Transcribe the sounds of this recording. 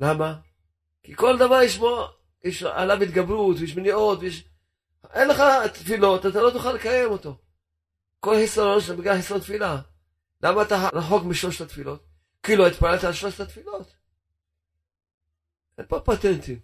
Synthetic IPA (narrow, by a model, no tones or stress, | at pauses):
lama | kiko̞ld̪avaɾiʃmo | jeʃa̰lavit̪ɡabɾut̪vejeʃ̬meniʔo̞t̪vejeʃ | ʔenleχat̪filo̞t̪at̪alo̞t̪uχalːekajemo̞t̪o̞ | ko̞lħisaɾo̞nʃat̪abiɡaħisɾont̪fila | lamaːt̪aɾaħo̞kmiʃlo̞ʃt̪at̪filo̞t̪̚ | kiːluait̪palelt̪aːlʃlo̞ʃt̪at̪filo̞t̪ | empopat̪ent̪im